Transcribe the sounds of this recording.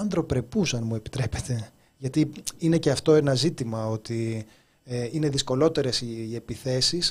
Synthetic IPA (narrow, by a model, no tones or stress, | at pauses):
ɐnd̪ɾo̞pɾe̞pusɐnmue̞pi̥t̪ɾe̞pe̞t̪e̞ | ʝɐt̪iine̞ce̞ɐft̪o̞e̞nɐzit̪imɐo̞t̪i | eine̞ðisko̞lo̞t̪e̞ɾe̞sie̞piθe̞sis